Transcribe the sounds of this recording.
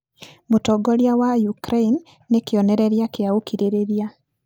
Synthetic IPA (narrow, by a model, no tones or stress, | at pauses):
motɔɡɔɾjawajukɾeinː | ekeɔnɛɾɛɾjakeaokiɾeɾeɾja